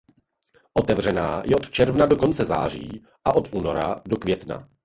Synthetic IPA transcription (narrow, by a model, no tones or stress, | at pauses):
ʔo̞t̪ɛvr̝ɛna̰ːjʔɛʔot̪t͡ʃɛɾvnado̞ko̞nt͡sɛza̰ːr̝ḭː | ʔaʔot̪ʔuːnoɾa̰dokvjɛt̪na̰